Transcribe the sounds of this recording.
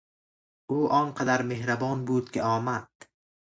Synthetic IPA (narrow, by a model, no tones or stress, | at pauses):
ʊʔɒŋqʰɑd̪aɾme̞hɾabɒnbʊd̪kʲɪɒːmat̪